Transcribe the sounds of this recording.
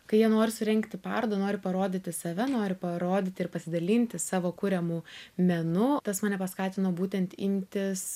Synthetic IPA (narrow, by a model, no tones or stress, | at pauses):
kɐɪjiɛnoːɾʲɪsʊɾʲɛŋkt̪ʲɪpɑ̰rd̪oːnoːɾʲɪpɐɾoːd̪ʲɪt̪ʲɪsɐʋʲɛnoːɾʲɪpɐɾoːd̪ʲɪt̪ʲɪɪrpɐsʲɪd̪ɐlʲiːnʲt̪ʲɪsɑːʋoːkʊɾʲɛmuːmʲɛnʊt̪ɐsmɐnʲɛpɐskɑːt̪ʲɪnoːbuːt̪ʲɛnʲt̪imʲt̪ʲɪs